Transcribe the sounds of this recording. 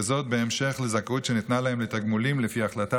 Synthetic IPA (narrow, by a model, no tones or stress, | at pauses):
zo̞t̪̚be̞ːmʃe̞χlezakutʃenit̪nalae̞mletaɡmulimlefiaχlata